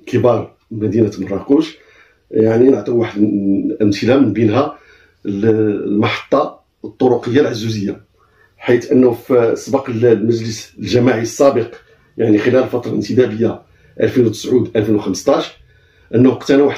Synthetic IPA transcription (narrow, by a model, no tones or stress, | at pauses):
kʰəbɑɾˤ | mæd̪inæt̪məɾˤɑkuʒ | jaʕninəʕt̪ˤiwaħəd̪ʔəmt̪əlamənbinɦæ | lmɑħɑ̥t̪ˤːɑ | t̪ˤːoɾʊqəjːalʕazːuzəjːa | ħit̪ʔənːufsˤbɑqllmæʒləslʒæmaʕiəsˤːæbəq | jaʕnixəlæləlfɑt̪ˤɾˤɑlənt̪əd̪æbəjːa | ʔæ̰lfinwt̪ə̥sʕud̪ʔælfinwxəmst̪ˤɑʃ | ʔənːhqt̪ænwaħ